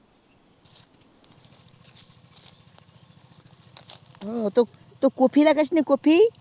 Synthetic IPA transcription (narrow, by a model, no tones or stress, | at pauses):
ot̪o | t̪okopʰilakɐt͡ʃʰnikopʰi